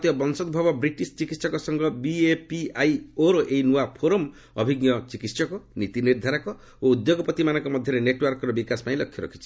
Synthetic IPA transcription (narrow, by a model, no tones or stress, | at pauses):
t̪ibɔbɔnsɔd̪bʱabɔbɾiʈist͡ʃikit̪sɔkɔsɔŋɡɔbiepiajoɾoʔejnuapʰoɾom | ɔ̰bʱiɡjɔt͡ʃikit̪sɔkɔnit̪iniɾd̪ʱaɾakɔ | oud̪joɡɔpɔt̪imanɔ̃ŋkɔmɔd̪ʱjɔɾeneʈwɔɾkɔɾɔbikasɔ̥paĩlɔkʰːjɔɾɔ̰kʰi̥t͡ʃʰi̥